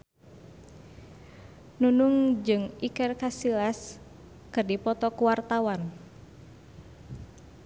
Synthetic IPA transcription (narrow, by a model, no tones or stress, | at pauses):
nunuŋd͡ʒɨŋikɛrkasilas | kɨrdipɔt̪ɔkuwart̪awan